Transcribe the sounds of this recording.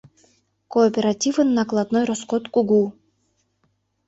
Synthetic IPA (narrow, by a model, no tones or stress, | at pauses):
koːpʲeɾatʲivɨnːaklˠad̪nojɾoskot̪kuɡu